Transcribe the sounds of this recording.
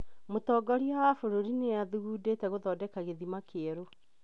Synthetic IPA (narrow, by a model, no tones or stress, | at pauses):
motɔːɡɔɾiawafoɾoɾineaðuɣuːdetɛɣoðɔdɛkaɣeðimakeɛɾo